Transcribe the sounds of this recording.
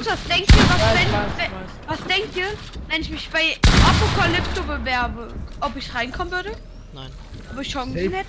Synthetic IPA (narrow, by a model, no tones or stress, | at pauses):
tvasd̥ɛŋk̚tiːɐvasvɛnɛ | vasd̥ɛŋk̚tiːɐ | vɛnɪçmɪçb̥aɪʔapokʰalɪptobəvɛɐbəʔɔpɪçʁaɪnkʰɔmənvʏɐdə | ʔɔpɪçʃɔŋsn̩hɛtə